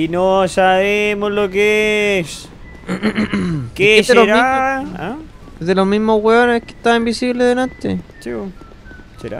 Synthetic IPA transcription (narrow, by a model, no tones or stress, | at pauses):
inosaβemozlokes | keseoɾaia | eðelomimoweoneke̥t̪aimbisiβleðelant̪ḛt͡ʃio | seɾa̰